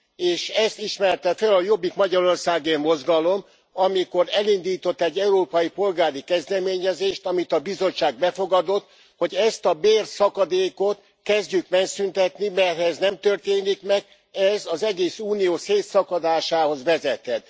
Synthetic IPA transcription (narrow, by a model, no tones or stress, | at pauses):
eːʃɛst̪iʃmɛrt̪ɛfɛlɒjo̞bːikmɒɟɒɾo̞rsaːɡemmo̞zɡɒlo̞m | ɒmiko̞ɾɛlind̪iːt̪o̞t̪ːɛɟːɛuɾoːpɒjipo̞lɡaːɾikɛzd̪ɛmeːɲɛzeːʃt̪ɒmit̪ɒbizo̞t͡ʃt͡ʃːaːɡ̚bɛfo̞ɡɒd̪o̞t̪ | ho̞ɟɛst̪ɒbeːrsɒkɒd̪eːko̞t̪ | kɛzɟykmɛnsynt̪ɛt̪nimɛrt̪hɛznɛmt̪ørt̪eːnikmɛɡ̚ | ɛzɒzɛɡeːsuːnijoːseːt̪sɒkɒd̪aːʃaːho̞zʋɛzɛt̪ɛt̪